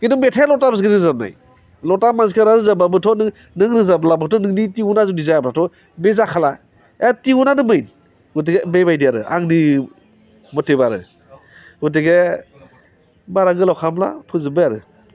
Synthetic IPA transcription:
kindɔmetʰalɔtabas̬ɡenɯzabna̰j | lɔtamanskʰaɾaɾɯzababɯtʰɔnɯ | nɯŋɾɯzablabɯtʰɔnɯŋnitiunazudizajablatʰɔ | bezakʰala | etiunanɯmɯjn | ɡut̬iɡebebajdijaɾɯ̰ʔa̰ŋni | mɔtebaɾɯ̰ | ɡut̬eɡe | baɾaɡɯlɔwkʰamla̰pʰɯzɯbɯjaɾɯ̰

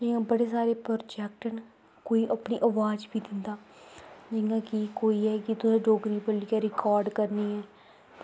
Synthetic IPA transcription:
d͡ʒɪjãːbəɽeːs̬aːɾeːpəɾd͡ʒɛːk̚ʈən | koːiːʔəpnḭːʔəʋaːd͡ʒbiːd̪ɪnd̪aː | d͡ʒɪãːkɪkoːiːɛːkɪt̪ʊsãːɖoːɡɾiːpəliːaːɾɪkaːɾɖkəɾniːɛː

